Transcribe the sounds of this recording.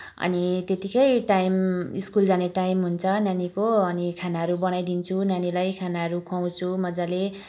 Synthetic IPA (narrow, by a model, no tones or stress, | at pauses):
ʌ̰nit̪et̪ikʌjʈajmiskuld͡zaneʈaimɦunt͡sʰʌnanikoʌnikʰanaɦʌɾubʌnajd̪int͡sʰunanilajkʰanaɦʌɾukʰaw̃t͡sʰumʌd͡zale